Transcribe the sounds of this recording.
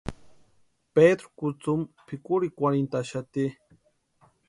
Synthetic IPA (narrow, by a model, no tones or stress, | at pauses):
ped̪ɾʊkʊt͡sumpʰikʊɾikʷwaɾent̪aʃat̪i